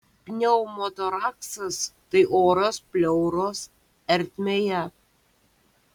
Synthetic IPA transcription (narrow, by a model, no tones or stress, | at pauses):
pʲnʲɛʊmot̪oɾɑːksɐst̪ɐɪʔoːɾɐspʲlʲɛʊɾoːs | ɛɾʲt̪ʲmʲeːjɛ